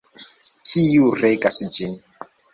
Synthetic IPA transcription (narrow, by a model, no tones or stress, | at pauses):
kʰijurɛkʼasid͡ʒini